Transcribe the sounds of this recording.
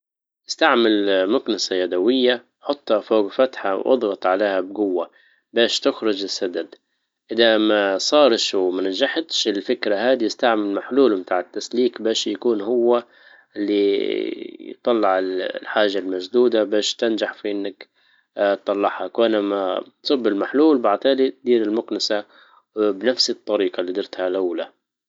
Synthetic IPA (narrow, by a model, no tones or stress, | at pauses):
ʔɪst̪aʕmɪlmʊknasajaːd̪awɪjːa | ħʊt̪ˤːhɑfoːɡfat̪ħa̰wʔɑ̰d̪ˤɣɑt̪ˤʕaleːhabɡʊwːa | beːʃt̪ʊxɾʊd͡ʒɪsːad̪ad̪ | ʔɪðamasˤɑːɾˤʃwmanaʒaħt̪ʃɪlfɪkɾahaːd̪iɪst̪aʕmɪlmaħluːlmt̪aːʕɪt̪ːasliːkbeːʃjakuːnhʊwːa | ʔɪlːi | jt̪ˤːɑlːɑʕɪllħaːʒalmaʒd̪uːd̪abeːʃt̪ɪnd͡ʒaħfiʔɪnːak̪ːˤ | ɑlˤːɑʕhakwʔanama̰t̪sˤɨbːɪlmaħluːlbaʕt̪aːlit̪̚d̪iːɾɪlmʊqnɪsa | bnafsɪt̪ˤːɑɾiːqɑlːiːd̪ˤɪɾt̪halʔawla